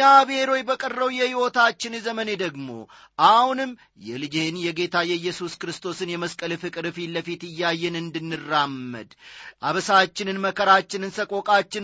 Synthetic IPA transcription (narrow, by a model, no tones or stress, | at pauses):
aβeɾo̞jbəkʼərːəwjɛhiwo̞t̪ʰat͡ʃːɪnzəməne̞d̪əɡmo̞̰ | ʔahhunɨmː | jɛlɨd͡ʒenjɛɡe̞t̪ʰajɛjːɛsuskɨɾɨst̪ʰo̞sɨnjɛməskʼəlɨfɨkʼɨɾɨfiləfit̪ɨjːajːɛnɨnd̪ɨnːɨrːamːə̰d̪ʔaβsat͡ʃːɪnɨnməkʰəɾat͡ʃːɪnɨnsəkʼo̞kʼat͡ʃːɪn